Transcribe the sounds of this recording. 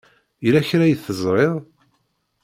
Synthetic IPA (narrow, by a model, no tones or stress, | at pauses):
ilæçɾæjəθəzˤɾˤeðˤ